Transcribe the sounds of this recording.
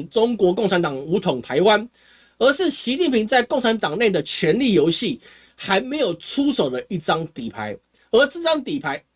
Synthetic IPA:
t͡so˦ŋkwɔ˧˥k̬o˥˩ŋt͡sʰa˧˦nt̪ɑ˨˩ŋu˧˥t̪ʰʊ˨˩ŋt̪ʰa˧˥ɪwa˦n | ə˧˦ʂɻ̩˥˨ɕi˧˥t͡ɕi˥˩mpi˧˥ŋt͡sa˥˧ɪkŋt͡sʰa˧˦˥nt̪ɑ˨˩ŋne˥˩ɪd̪ə˩t͡ɕʰɥɛ˧˥nli˥˩jo˧˥ʊɕi˥˨ | xa˧˦ɪme˨˥ɪjo˨˩ʊt͡sʰu˦so˨˩ʊd̪ə˦i˥˩t͡sɑ˥ŋt̪i˨˩pʰa˧˦ɪ | ə˧˥t͡sə˥˩t͡sɑ˥ŋt̪i˨˩pʰa˧˦ɪ

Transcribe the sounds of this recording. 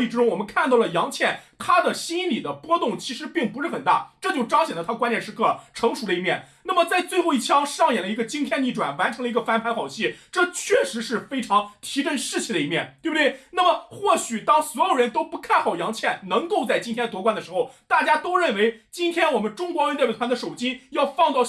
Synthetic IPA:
i˥˩ʈ͡ʂɻ̩˥ʈ͡ʂʊ˥ŋwɔ˨˩mə˦nkʰa˥˧nt̪ɑ˥˩ʊlə˩jɑ˧˥ŋt͡ɕʰjɛ˥˩nt̪ʰa˥d̪ə˨ɕi˥i˥nli˨˩d̪ə˦pwɔ˥t̪ʊ˥˩ŋt͡ɕʰi˧˥ʂɻ̩˧˥pi˥˩ŋpu˧˥ʂɻ̩˥˩xə˨˩nt̪a̰˥˩ʈ͡ʂɤ˥˧t͡ɕjo˥˩ʊʈ͡ʂɑ˥ʊɕjɛ˨˩nd̪ə˧t̪ʰa˥kwa˥njɛ˥˧˩nʂɻ̩˥kʰɤ˥˩ʈ͡ʂʰɤ˧˥ŋʂu˧˥lə˧i˧˥mjɛ˥˩nna˥˩mə˩t͡sa˥˧ɪt͡swe˥˧ɪxo˥˧ʊi˥˩t͡ɕʰjɑ˥ŋʂɑ˥˩ŋjɛ˨˩li˧˥ɡə˧t͡ɕi˥ŋt̪ʰjɛ˥˧nli˥˩ʈ͡ʂwa̰˨˩nwa˧˥nʈ͡ʂʰɤ˧˥ŋlə˧i˧˥ɡə˧fa˥npʰa˧˥nxɑ˨˩ʊɕi˥˩ʈ͡ʂɤ˥˧t͡ɕʰɥɛ˥˩ʂɻ̩˧˥ʂɻ̩˥˩fe˥ɪʈ͡ʂʰɑ˧˥ŋt̪ʰi˧˥ʈ͡ʂə˥˧nʂɻ̩˥˩t͡ɕʰi˧˥d̪ə˩i˧˥mjɛ˥˩nt̪we˥˩bə˩t̪wɪna˥˩mə˩xwɔ˥˩ɕy˨˩t̪ɑ˥ŋswɔ˧˥jo˨˩ʊɻə˧˥nt̪o˥ʊpu˧˥kʰa˥˩nxɑ˨˩ʊjɑ˧˥ŋt͡ɕʰjɛ˥˩nnɤ˧˥ŋko˥˧ʊt͡sa˥˩ɪt͡ɕi˥nt̪ʰjɛ˥n˧t̪wɔ˧˥kwa˥nd̪ə˩ʂɻ̩˧˥xo˥˧ʊt̪a˥˩t͡ɕja˥t̪o˥ʊɻə˥˩nwe˧˥ɪt͡ɕi˥nt̪ʰjɛ˥nwɔ˨˩mə˦nʈ͡ʂʊ˥ŋkwɑ˧˥ŋjn˥˩˧t̪ʰa˧˥nd̪ə˧˩ʂo˨˩ʊt͡ɕi˥jɑ˥˧ʊfɑ˥˧ŋt͡sɑ˥˧ʊ

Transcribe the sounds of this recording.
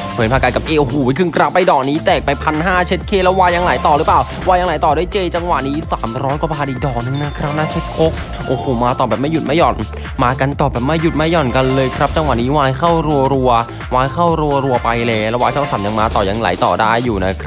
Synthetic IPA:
pʰːnpʰaː˧ka˧ka˨˩p̚ʔeː˧ʔo˨˧˩hoː˨˦a˧˦kʰɯ˧ŋkɾa˦˥pːa˧jdɔː˨˩k̚niː˦˥t̪ɛː˨˩k̚pa˧jpʰa˧nɦaː˥˩t͡ɕʰe˦˥t̪̚kʰeː˥˩lɛ˦˥waː˧ja˧ŋlaː˩˦jt̪ɔː˨˩ɾɯ˦˥plaː˨˩w | waː˧ja˧ŋlaː˨˩˦jt̪ɔː˨˩daː˥˩˨jt͡ɕeː˧t͡ɕa˧ŋwa˨˩niː˦˥saː˩˦mɾɔː˦˥nkɔ˧˩baː˧ʔiː˨˩k̚dɔː˨˩k̚nɯ˧˦ŋna˦˥kʰɾa˦˥p̚naː˥˩t͡ɕʰe˦˥t̪̚kʰo˦˥k̚ | ʔoː˧˩hoː˨˩maː˧t̪ɔː˨˩bɛː˨˩pm˥˩ju˨˩t̪̚ma˥˩jɔː˨˩n | maː˧ka˧nt̪ɔː˨˩bɛː˨˩p̚ma˥˩jːu˨˩t̪̚ma˥˩jɔ˨˩nka˧nlɤː˧jkʰɾa˦˥p̚t͡ɕa˧ŋwa̰˨˩niː˦˥waː˧jkʰa˥˩wɾu˧əɐɾu˧ɐ | waː˧jkʰa˥˩wɾu˧ɐɾu˧ɐpa˧jlɛː˧˩lɛː˦˥waː˧t̪ʰɔ˥˩saː˩˦mja˧ŋmaː˧t̪ɔː˨˩ja˧ŋla̰ː˨˩˦jt̪ɔ̰ː˨˩daː˥˩jːuː˨˩na˦˥kʰɾa˦˥

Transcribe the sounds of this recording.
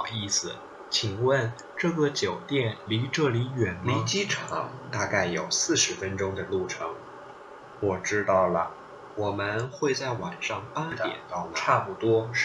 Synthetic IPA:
ʊi˥˩sɹ̩˨˩ | t͡ɕʰi˨˩ŋwə˥˧n | ʈ͡ʂɤ˥˩ɡə˩t͡ɕjo˨˩ʊt̪jɛ˥˩nli˧˥ʈ͡ʂɤ˥˩li˧˥ɥɛ˨˩nmliə˧˥t͡ɕi˥ʈ͡ʂʰɑ̰˧˥˦ŋt̪a˥˧ka˥˩ɪjo˨˩ʊsɹ̩˥˩ʂɻ̩˧˥fə˥nʈ͡ʂʊ˥ŋd̪ə˨lu˥˩ʈ͡ʂʰɤ˧˥ŋ | wɔ˨˩ʈ͡ʂɻ̩˥t̪ɑ˥˩ʊlə˩ | wɔ˨˩mə˦nxwe˥˧ɪt͡sa˥˩ɪwa˨˩nʂɑ˥˩ŋpa˥t̪jɛ̰˨˩nt̪ɑ˥ʊʈ͡ʂʰa˥˧pu˥˩t̪wɔ˥

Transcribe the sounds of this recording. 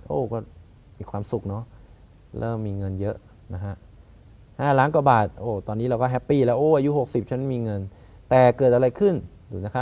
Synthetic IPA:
ʔoː˧˩kɔː˥˩ | miː˧kʰwaː˧msu˨˩k̚nɔ˦˥ | ɾɤ̰ː˥˩mːiː˧ŋɤ˧njɤ˦˥ʔ | na˦˥kʰa˦˥ʔ | haː˥˩laː˦˥nka˨˩baː˨˩t̪̚ʔoː˧˩t̪ɔː˧nːiː˦˥ɾa˧wkɔː˥˩ɦɛ˦˥pːiː˧˩lɛː˦˥wʔoː˧˩ʔa˧ju˦˥ho˨˩k̚si˨˩p̚t͡ɕʰa˦˥nmiː˧ŋɤ˧n | t̪ɛː˨˩kɤː˨˩t̪̚a˧ɾa˧jkʰɯ˥˩n | duː˨˩na˦˥kʰa˦˥

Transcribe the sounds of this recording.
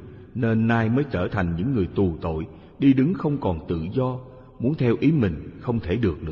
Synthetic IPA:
ne˧nːaː˧jməː˨˦jt͡ɕəː˧˩t̪ʰa˨˩jŋ̟ɲɨ̰˧˥ŋːɨ˨˩əjt̪u˨˩t̪o̰˧˨j | ɗi˧ɗɨ˨˦ŋxə˧wŋ͡mkɔ˨˩nt̪ɨ̰˧˨zɔ˧ | mu˨˦ənt̪ʰɛ˧wʔi˨˦mï˨˩ŋ̟xə˧wŋ͡mt̪ʰe˧˩ɗɨ˨˩ək̚nɨ̰˧˥ə

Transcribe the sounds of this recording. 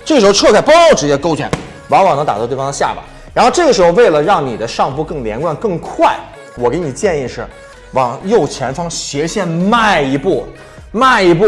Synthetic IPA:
ʈ͡ʂɤ˥˩ʂ̩ɻxo˥˧ʈ͡ʂʰɤ˥˧kʰa˥˩ɪpo˥o˥˩ʈ͡ʂɻ̩˧˥t͡ɕjɛ˥˧ko˥ʊt͡ɕʰɥɛ̰˧˥˦n | wɑ˧˥ŋwɑ˨˩ŋnɤ˧˥ŋt̪a˨˩˥t̪e˥˩ɑ˥nə˧ɕja̰˥˩ba̰˨˩˦ | ɻa˧˥xo˥˧ʊʈ͡ʂɤ˥˩ɡə˩ʂɻ̩˧˥xo˧we˥˩ɪlə˩ɻɑ˥˩ŋni˨˩d̪ə˦ʂɑ˥˧ŋpu˥˧kɤ˥˩ŋljɛ̰˧˥nkwa˥˧nkɤ˥˧ŋkʰwa˥˩ɪ | wɔ˨˩ke˧˥ɪni˨˩t͡ɕjɛ˥˧ni˥˧ʂɻ̩˥˩ | wɑ˨˩ŋjo˥˩ʊt͡ɕʰjɛ˧˥nfɑ˥ŋɕjɛ˧˥ɕjɛ˥˧nma˥˩ɪi˧˥pu˥˩ | ma˥˩ɪi˧˥pu˥˩

